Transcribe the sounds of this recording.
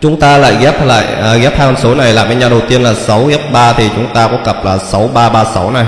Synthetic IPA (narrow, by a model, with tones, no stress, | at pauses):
t͡ɕʊ˨˦ŋ͡mt̪aː˧la̰ː˧˨jɣɛ˦˥p̚la̰ː˧˨jɣɛ˦˥p̚haː˧ŋkɔ˨˧˩nso˨˦na˨˩jlaː˨˩m˧˦ɲaː˨˩ɗə˨˩wt̪i˧ənlaː˨˩sa˨˦wɣɛ˦˥p̚ɓaː˧t̪ʰi˨˩t͡ɕʊ˨˦ŋ͡mt̪aː˧kɔ̰˧˥kə˨˩p̚laː˨˩sa˨˦wɓaː˧ɓaː˧sa˨˦wna˨˩j